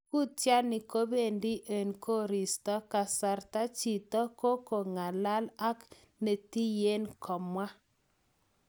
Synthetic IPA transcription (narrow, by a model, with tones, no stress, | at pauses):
ku˦tja˦nɪ˨ko˦be˦˨ndi˦ʔe˨nkʰo˦ɾi˨stɔ˦ka˨sa˨ɾta˦t͡ʃi˨tɔ˦ko˦ko˨ŋa˨la˦la˦k | ne˨ti˦je˦nkʰɔ˨mwa˦